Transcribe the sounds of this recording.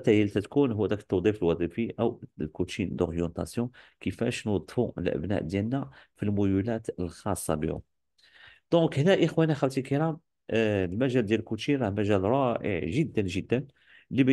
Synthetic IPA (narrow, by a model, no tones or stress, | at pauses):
t̪æjælt̪æt̪kunɦʊwːæd̪ækə̥t̪ːɑd̪ˤifəlwɑd̪ˤifiʔəwlkut̪ʃind̪ɔʁjɑ̃nt̪ɑ̰sjɔ̃kəfæʃnwɑd̪ˤːfuə̰lʔə̰bnæ̰ʔd̪jælnæfilmujulæt̪əlxɑsˤːɑ̰bḭhʊ̰ | d̪̥ɔ̃khnæʔəxwænixælt̪ikəɾɑm | lmæʒæld̪jæləlkuʃinɾˤɑhmæʒælɾˤɑʔə̰ʕʒəd̪ːənʒəd̪ːən | lːib